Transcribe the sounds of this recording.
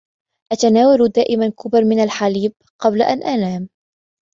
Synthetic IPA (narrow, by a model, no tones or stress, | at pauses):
ʔat̪anaːwald̪aːʔɪmankʊbɾmɪnalħaliːb̚ | qɑblaʔanʔanaːm